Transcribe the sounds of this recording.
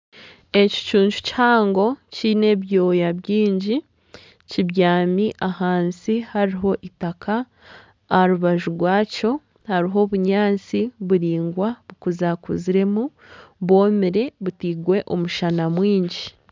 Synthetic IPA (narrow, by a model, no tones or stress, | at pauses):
e̞ci̥t͡ʃuːɲt͡ʃu̥chaːŋɡo̞cine̞βjo̞ːjabjiːɲɟi | ciβjaːmiʔahaːnsihaɾiɦo̞ʔitakʰaː | ɾuβaʒuɡwaːco̞ | haɾiɦo̞βuɲaːnt͡siβuɾiːŋɡwaβukuzakuziɾe̞mu | βo̞ːmiɾe̞βutiːɡwe̞ʔo̞muʃanamwiːɲɟi